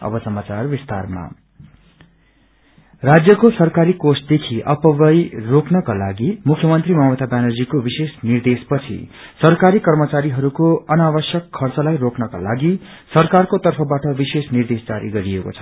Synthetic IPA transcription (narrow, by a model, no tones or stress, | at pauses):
ʌ̰bʌsʌmat͡sarbist̪arma̰ | rad͡zjʌkosʌrkaɾikosʈ̚d̪ekʰiʔʌpʌbʌjrokʰnʌkalaɡimukʰjʌmʌnt̪rimʌwʌt̪abjanʌrd͡zikobisesnird̪espʌt͡sʰḭ | sʌrkaɾikʌrmʌt͡saɾiɦʌɾukoʌnabʌsjʌkʰːʌrt͡sʌlajrokʰnʌka̰laɡi | sʌrkarkot̪ʌrpʰʌbaʈʌbisesnird̪esd͡zaɾḭɡʌɾieko̰t͡sʰʌ̥